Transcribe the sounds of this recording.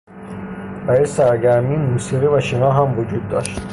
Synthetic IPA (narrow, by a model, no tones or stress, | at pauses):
bæjisæɾɟæɾminmuːsiʁivæʃinɒːɦæmvud͡ʒud̪̚ːɒ̰ʃt̪